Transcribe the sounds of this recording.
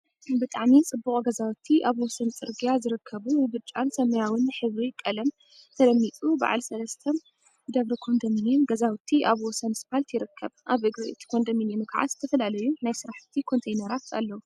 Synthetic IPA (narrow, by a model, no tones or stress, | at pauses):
bɨt̪ʼaʕmit͡sʼɨbːuχʼɡɐzawt̪ʰːiʔaβwɔsɐnt͡sʼɨɾɡijazɨɾɨkʰːɐβujɨβɨt͡ʃʼːansɐmɐjawɨnːɨħɨβɾikʼɐlɐm | t̪ʰɐlɐmːit̪ʼuba̰ʕa̰lsɐlɐst̪ʰom | d̪ɐβɾikʰo̞nd̪ɐminjɛmɡɐzawt̪ʰiʔaβwɔsɐnspalt̪ʰjɪɾɨkʰːɐβʔaβʔɨɡɾɨʔt̪ʰi̥kʰo̞nd̪ɐminjinkʰaʕa̰t̪zɨ̥t̪ʰɐfɐlalɐjunajsɨɾaħt̪ʰikʰo̞nt̪ʰejnɐɾat̪a̰lːɐwu